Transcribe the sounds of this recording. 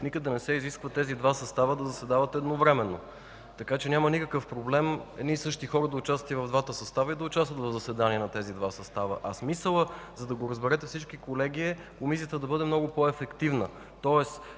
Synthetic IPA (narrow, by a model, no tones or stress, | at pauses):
nikəɡd̪ɐnɛsɛiziskvət̪ɛzid̪vasɐst̪avəd̪ɐzɐsvɛd̪avət̪ɛd̪novɾɛmɛnːo̰ | t̪ɐkat͡ʃɛnʲamənikəkəfpɾoblɛmɛ̰nisɤʃt̪ixɔɾəd̪ɐʊt͡ʃast̪ət̪ivɐvd̪vat̪əsɐst̪avəid̪ɐʊt͡ʃast̪vət̪vɐvzɐsvɛd̪aniɛnɐt̪ɛzid̪vasɐst̪avə̰ʔɐsmisəlˠəzɐd̪ɐɡoɾəzbɛɾɛt̪ɛfsit͡ʃkikolɛɡiɛ | komisijət̪əd̪ɐbɤd̪ɛmnɔɡopɔɛfɛkt̪ivnə | t̪ɔɛs